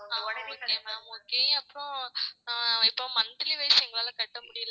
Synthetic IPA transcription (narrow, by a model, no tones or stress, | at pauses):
aoːkːemaːoːkːeːɐpːɾõ | ɪpːoːmɐnd̪ɪliʋɐjsɛŋɡɐɭaːlɐkɐʈːɐmʊɽɪjl